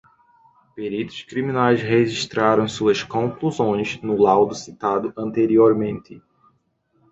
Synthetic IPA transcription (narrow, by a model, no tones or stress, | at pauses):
peɾit̪ʊ̥ʃkɾimĩnajsheʒiʃt̪ɾaɾɐ̃w̃suɐskõkluzõj̃znʊlawd̪ʊsit̪ad̪ʊɐ̃nt̪eɾioɾmẽnt̪ɪ